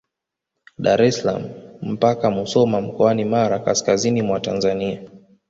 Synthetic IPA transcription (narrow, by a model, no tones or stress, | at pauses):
ɗaɾɛsla̰mum̩pakamusɔmam̩kɔanimaɾakaskazinimwatanzania